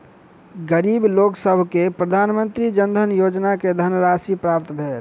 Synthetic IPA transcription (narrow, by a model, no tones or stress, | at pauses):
ɡəɾibloksəbʱkepɾəd̪ʱaːnmə̃nt̪ɾid͡ʒənd̪ʱənjod͡ʒnaked̪ʱənɾasipɾap̚t̪bʱeːl